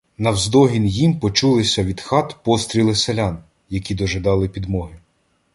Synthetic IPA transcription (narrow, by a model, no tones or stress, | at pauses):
nɐwzd̪ɔɦʲinjimpɔt͡ʃulˠɪsʲɐʋʲid̪xɑt̪pɔst̪ɾʲilˠɪselʲɑn | jɐkʲid̪ɔʒed̪ɑlˠɪpʲid̪mɔɦɪ